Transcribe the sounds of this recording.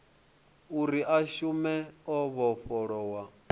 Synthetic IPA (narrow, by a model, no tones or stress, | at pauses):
uɾiʔaʃumɛɔβɔɸɔɺɔwa